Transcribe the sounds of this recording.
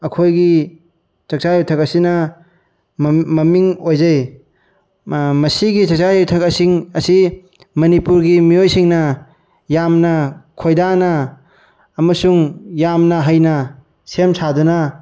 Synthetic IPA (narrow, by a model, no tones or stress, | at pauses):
ɐkʰojɡi | t͡ʃɐk̚t͡ʃajutʰɐkɐsinɐ | mɐmiŋojzɐj | mɐsiɡit͡ʃɐk̚t͡ʃajutʰɐkɐsiŋɐsi | mɐnipuɾɡimiojsiŋnɐ | jamnɐkʰojdanɐː | mɐsuŋjamnɐɦɐjnɐ | semsʰadunɐ